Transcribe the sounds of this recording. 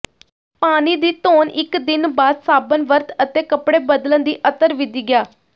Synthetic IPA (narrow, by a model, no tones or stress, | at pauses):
paːniːd̪iːt̪oːnɪkd̪ɪnbaːd̪saːbənʋəɾt̪ət̪eːkəpɽeːbəd̪lənd̪iːʔət̪əɾʋɪd̪iːɡjaː